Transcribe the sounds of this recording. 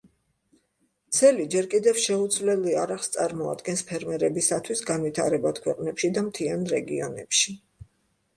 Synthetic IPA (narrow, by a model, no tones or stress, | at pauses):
t̪sʰɛlid͡ʒɛɾkʼid̪ɛfʃɛud̪zvlɛliaɾaʁst̪sʼaɾmɔa̰d̪ɡɛnspʰɛɾmɛɾɛbisat̪ʰwisɡanvit̪ʰa̰ɾɛbad̪̥kʰwɛqʼnɛpʃid̪amt̪ʰianɾɛɡiɔnɛ̰pʃi